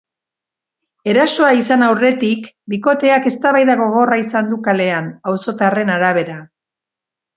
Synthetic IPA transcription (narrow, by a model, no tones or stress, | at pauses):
e̞ɾaso̞aisanawre̞t̪ik | biko̞t̪e̞ake̞st̪aβajðaɣo̞ɣ̞o̞raisand̪ukale̞anawso̞t̪are̞naɾaβ̞e̞ɾa